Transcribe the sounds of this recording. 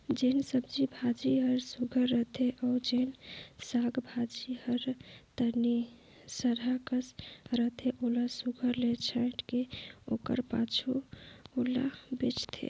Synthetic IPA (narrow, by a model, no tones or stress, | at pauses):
d͡ʒensəbd͡ʒibʱad͡ʒiɦəɾsuɡʱəɾːəɦt̪ʰeʔad͡ʒensaɡbʱad͡ʒihəɾt̪əni | səɾakəsɾəɦt̪ʰeʔolasuɡʱəɾlet͡ʃʰaʈkeokə̰ɾpa̰t͡ʃʰuola̰bet͡ʃt̪ʰḛ